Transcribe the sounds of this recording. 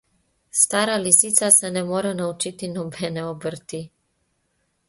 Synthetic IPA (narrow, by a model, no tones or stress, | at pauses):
st̪aːɾalisit̪sasɛnɛmoːɾɛnaut͡ʃit̪inɔbɛːnɛobəɾt̪i